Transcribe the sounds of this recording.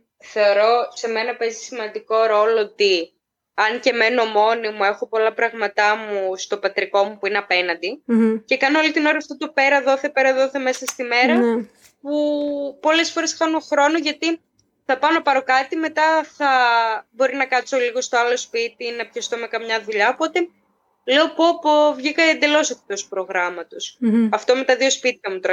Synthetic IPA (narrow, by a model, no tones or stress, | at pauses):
θe̞o̞ɾo̞se̞me̞nɐpe̞zisimɐnd̪iko̞ɾo̞loot̪i | ɐnce̞me̞nomo̞nimue̞xo̞po̞lɐpɾɐɣmɐt̪ɐmust̪o̞pɐt̪ɾiko̞mupuineɐpe̞nɐnd̪ice̞kɐnoolit̪ino̞ɾɐft̪ot̪o̞pe̞ɾɐðo̞θe̞pe̞ɾɐðo̞θe̞me̞sɐst̪ime̞ɾɐ | pupo̞le̞sfo̞ɾe̞sxɐnoxɾo̞noʝɐt̪i | θɐpɐnopɐɾo̞kɐt̪ime̞t̪ɐθɐbo̞ɾinɐkɐso̞liɣo̞st̪o̞ɐlo̞spit̪inɐpçɐst̪o̞me̞kɐmɲɐðuʎɐopo̞t̪e̞ | le̞o̞po̞povʝikɐend̪e̞lo̞sete̥t̪osu̥pɾo̞ɣɾɐmɐt̪o̞sɐft̪o̞met̪ɐðio̞spit̪çɐmut̪oɾɐ